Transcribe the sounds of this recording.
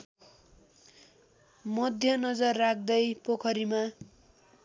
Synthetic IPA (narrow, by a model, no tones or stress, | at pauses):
mʌd̪ʱjʌnʌd͡zʌrːak̚ʰd̪ʌjpokʰʌɾima